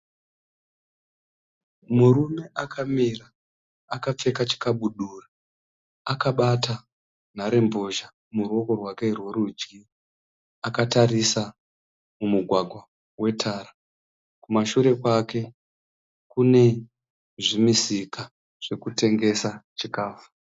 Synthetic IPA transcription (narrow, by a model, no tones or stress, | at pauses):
muɾume̞ʔakʰamiraː | kap͡fe̞kat͡ʃi̥kaɓuɗura | akaɓata | naɾe̞mbo̞ʒa | muro̞ko̞rwake̞rwe̞ɾud͡ʒɡi | akatarisa | mumuɡʱwaɡʱwa | we̞tʰaːɾa | kumaʃuɾe̞kwake̞ | kune̞ | ʐimisika | ʐ̥e̞kute̞ŋɡe̞sat͡ʃikaːfu̥